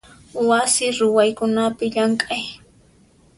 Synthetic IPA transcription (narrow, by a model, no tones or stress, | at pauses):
wasɪɾʊwajkʊnapɪʎaŋkʼaj